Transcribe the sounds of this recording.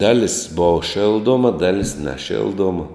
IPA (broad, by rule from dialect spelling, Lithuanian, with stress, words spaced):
ˈdɑːlʲɪs boːʋɐ ˈʃʲɪlˠˌdoːmɐ ˈdɑːlʲɪs nʲɛˈʃʲɪlˠˌduɔmɐ